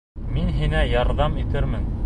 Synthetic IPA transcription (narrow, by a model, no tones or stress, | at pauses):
minɦinæjɑɾðɑmit̪ɘɾmɘn